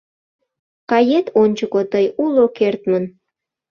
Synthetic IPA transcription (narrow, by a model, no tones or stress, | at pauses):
kɑjet̪onʲt͡ɕəkot̪əjulokert̪mən